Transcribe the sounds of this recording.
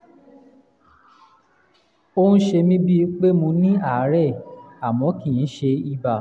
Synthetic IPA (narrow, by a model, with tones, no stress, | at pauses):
o˦nũ˦ʃe˧mĩ˦bi˦k͡pe˦mũ˧nĩ˦a˦˨˦ɾɛ˦˨a˨mɔ̃˨˦kĩ˦˨ĩ˨˦ʃe˧i˧ba˨